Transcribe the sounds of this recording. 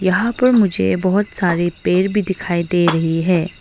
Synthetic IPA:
jɐɦãpɐɾmʊd͡ʒʱḛbɐɦʊt̪saːɾepeːɾbʱid̪ɪkʰaːid̪eːɾɐɦiɦɛː

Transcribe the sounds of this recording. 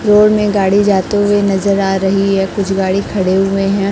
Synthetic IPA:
ɾoːɽmẽɡaːɽid͡ʒaːt̪eɦʊenɐzəɾaːɾɐɦiɦɛ̃ːkʊt͡ʃʰɡaːɽikʰɐɽeɦʊeɦɛ̃ː

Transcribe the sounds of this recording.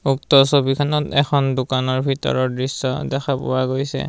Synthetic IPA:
uk̚tɔsobikʰanɔtɛ̰xʰɔndukanɔɹbʱitɔ̰ɹɔɹdɹisːɔ̰dɛxʰapʊ̰waɡojsɛ̰

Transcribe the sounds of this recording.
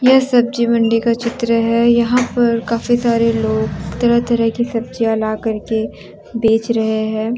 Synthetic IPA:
jɐɦsɐb̚d͡ʒimɐ̃ɳɖikat͡ʃɪt̪ɾəɦɛjɐɦãpɐɾkaːfisaːɾeloːɡt̪ɐɽat̪ɐɾəɦkisɐb̚d͡ʒiɐlakɐɾke | beːt͡ʃɾɐɦeɦɛ̃ː

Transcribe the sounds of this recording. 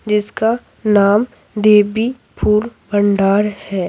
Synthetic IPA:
d͡ʒɪska | naːm | d̪eːbi | pʰuːɾbə̃ɳɖaːɾhɛː

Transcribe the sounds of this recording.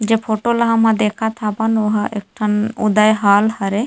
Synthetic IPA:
d͡ʒepʰoʈolaɦɐmãd̪ekʰat̪ʰabɐnoɦaʔek̚ʈʰanud̪ajɦaːlhɐɾe

